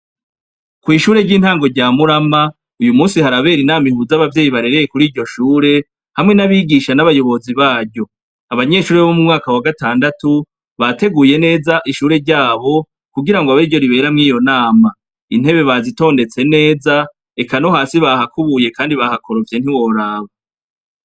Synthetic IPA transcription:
kwiːʃuːɾe̞ɾɟiːn̥haːŋɡo̞ɾɟaːmuɾama | ujumuːsihaɾaβe̞ːɾinaːmihuzaβavje̞ːjiβaɾe̞ɾe̞je̞kuɾiːɾɟo̞ʃuːɾe̞ | hamŋe̞naβiːɡiʃanaβajo̞βo̞ziβaːɾɟo̞ | aβaɲe̞ʃuːɾeββomumŋaːkawaɡataːndatu | βate̞ɡuːje̞ne̞ːzaʔiʃuːɾe̞ɾɟaːβo̞ | kuɡiɾaŋɡoaβaiɾɟo̞ɾiβe̞ːɾamŋiːjo̞naːma | in̥he̞βe̞βazito̞ːnde̞t͡se̞ne̞ːza | ekano̞haːsiβahakuβuje̞kaːndiβahakʰo̞ɾofe̞n̥hiwo̞ɾaːβa

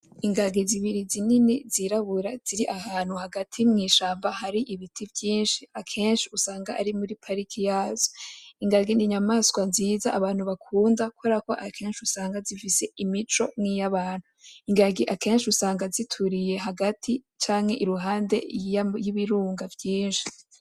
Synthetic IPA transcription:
iŋɡaɡiziβiɾizininiziɾaβuɾaz̥iɾiʔaɦaːn̥huhaɡatʰimŋiːʃaːmbaɦaɾiʔiβitʰivjiːnʃiakʰe̞ːnʃiusaːŋɡaʔaɾimuɾipʰaɾikʰijaːzo̥iŋɡaɡiniɲamaːskwanziːzaʔaβaːn̥huβakʰuːndakwoɾako̞ʔakʰe̞ːnʃiusaːŋɡazifise̞imit͡ʃo̞̰ŋŋijaβaːn̥huiŋɡaɡiʔake̞ːnʃiusaːŋɡazitʰuɾije̞ɦaɡatʰi | t͡ʃaːŋhe̞ʔiɾuɦaːnde̞̰jiβiɾuːŋɡavjiːnʃi̥

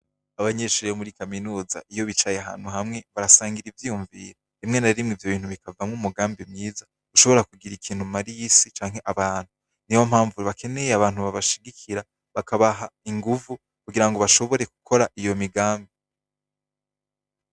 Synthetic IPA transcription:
aβaɲe̞ːʃuːɾijomuɾikaminuːza̰ʔijo̞βit͡ʃajeɦa̰ːn̥huɦamŋe̞βaɾasaːŋɡiɾivjijuɱvḭːɾa | imŋe̞naɾimŋivjo̞βiːnhuβikavamŋumuɡaːmbimŋiːza | ɡuʃo̞βo̞ɾakuɡiɾikʰiːn̥humaɾijisit͡ʃaːŋɦe̞ʔaβaːn̥hu | niwom̥haːɱvuɾiβake̞ne̞jeaβaːn̥uβaβaʃiɡikʰiɾa | βakʰaβaɦaiŋɡuvu | kuɡiɾaŋɡo̞βaʃo̞βo̞ɾe̞ku̥kʰo̞ɾaʔijo̞miɡaːmbi

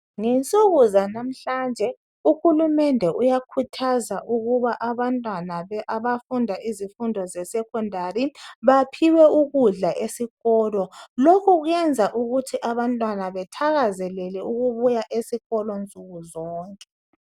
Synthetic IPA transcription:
ŋɛnt͡sʼuɣuzanam̩ɬand͡ʒʱɛ | uxulumɛndʱɛʔujakʰutʰazaʔuɣuβaʔaβantʼwanaβɛʔaβafundʱaʔizifundʱɔzɛsɛkʰɔndʱariβapʰiwɛuɣuɮaʔesiɣɔlɔlokʰuɣɛnd͡zʱaʔuɣutʰiʔaβantʼwanaβɛtʰaɣazɛlɛlɛuɣuβujaʔesiɣɔlɔnt͡sʼuɣuzɔːŋkʼɛ

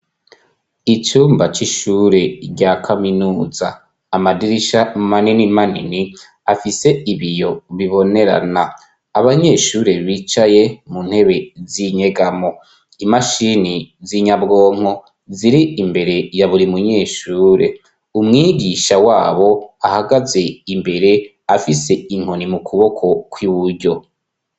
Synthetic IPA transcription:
it͡ʃuːmbat͡ʃiʃuːɾe̞ɾɟakʰaminuːza̰ː | madiɾiʃamaninimanḭni | afise̞iβijo̞βiβo̞ne̞ɾa̰na | aβaɲe̞ʃuːɾe̞βit͡ʃaje̞munhe̞βe̞ziɲeɡamo̞ | imaʃiniziɲabɡo̞ːŋ̥ho̞ | ziɾiimbe̞ɾe̞jaβuɾimuɲe̞ːʃuːɾʔe̞ | umŋiːɡiʃawaːβo̞ahaɡaze̞imbe̞ɾe̞ | afise̞iŋ̥honimukʰuβo̞kʰo̞kwiβuɾɟo̞

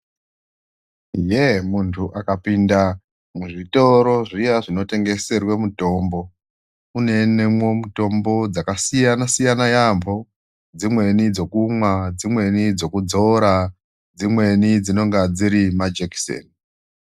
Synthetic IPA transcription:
jemuntʰuʔakapinda | muʐito̞ɾo̞ʐijaʐino̞te̞ŋɡe̞se̞rwemuto̞ːmbo̞ | une̞ne̞mwo̞muto̞mbo̞d͡zakasijanasijanajambʱo̞ | d͡zimwe̞nid͡zo̞kumwad͡zimwe̞nid͡zo̞kud͡zo̞ɾa | d͡zimwe̞nid͡zino̞ŋɡad͡ziɾimad͡ʒeki̥sḛn

